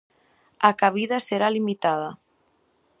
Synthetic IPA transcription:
akaβ̞iðaseɾalimit̪að̞ɐ

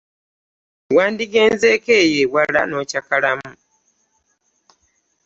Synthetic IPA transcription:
waːndiɡe̞ːnzeːke̞ːjewala̰no̞ːcakalamu

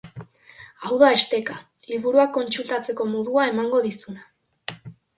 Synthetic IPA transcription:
awðae̞st̪e̞ka | liβ̞uɾuakːo̞nt͡sult̪at͡se̞ko̞moðuae̞maŋɡo̞ðisuna

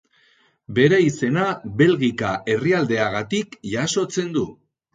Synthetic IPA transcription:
be̞ɾeise̞naβe̞lɣikaʔe̞riald̪e̞aɣ̞at̪ikʝaso̞t͡se̞nd̪u

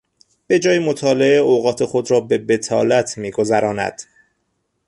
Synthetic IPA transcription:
b̥e̞d͡ʒɒːjemot̪ʰɒːleeoɣɒːt̪ʰe̞xo̞d̪ɾɒːbe̞be̞t̪ʰɒːlæt̪ʰmiːɡo̞zæɾɒːnæ̰d̪̥

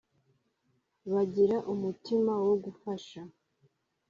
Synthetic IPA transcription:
βaɟiɾaʔumutimawo̞ɡufaʃa

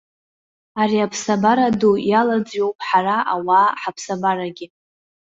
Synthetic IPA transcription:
aɾiapʰsabaɾadujalad͡zɥo̞wpʼħaraʔawaːħapʰsabaɾaɡʲɪ

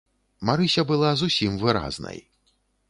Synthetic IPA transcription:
maɾɨsʲɐbɨlˠazusʲimvɨɾa̰znɐ̰j

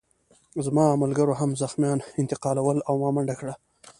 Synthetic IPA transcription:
zmɑmalɡaɾoɦamzaxmjɑnɪnt̪ɪqɑlawəlawmɑmaɳɖakɽa

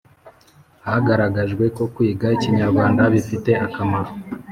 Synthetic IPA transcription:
haɡaɾaɡaʒɡwe̞ko̞kwiːɡaiciɲaɾɡwaːndaβifite̞akamaɾo

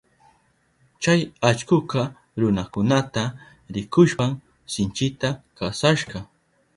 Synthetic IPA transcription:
t͡ʃajat͡ʃkʊkɑ | ɾʊnakʊnat̪a | ɾɪkʊʃpam | sɪnt͡ʃɪt̪akasaʃɢɑ

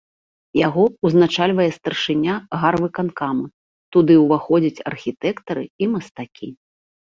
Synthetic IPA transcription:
jaɣɔuznat͡ʂalʲvɐjɛst̪ɐrʂɨnʲaɣarvɨkankamɨ | t̪ud̪ɨwvaxɔd͡zʲɐt͡sʲɐ̰rxʲit̪ɛkt̪ɐɾɨimɐst̪akʲi

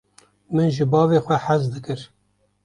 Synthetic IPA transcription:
mɨnʒɨbɑːveːxʷɛħazd̪ɨkɨɾ

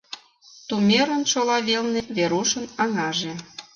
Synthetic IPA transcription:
t̪umʲeɾə̆nʃolɑβelneβeɾuʃə̆nɑŋɑʒe

